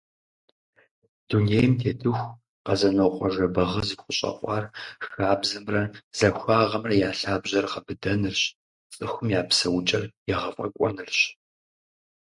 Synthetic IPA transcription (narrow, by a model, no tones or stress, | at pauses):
d̥unejmtʰeːtʼɨxʷ | qɐzɐnoqʷɔʒɐbɐʁɐziqʷʊɕʼɐ̰qʷʼɑːrxaːbzɨmrɐz̥ɐxʷaːʁɐmrɐjaːɬaːbʑɐrqɐbɨdɐnɨrɕ | t͡sʼɨxʷʊmjaːpsɐwʊt͡ʃʼɐrjɛʁɐfʼɐ̰kʷʼɔ̰nɨrɕ